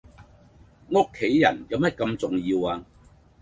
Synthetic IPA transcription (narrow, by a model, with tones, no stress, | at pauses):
ŋʊ˥kʰːe˨˥jːɐ̰˨˩njɐ˨˧wmɐ˥t̚kɐ˧mt͡sʊ˨ŋjiː˧waː˧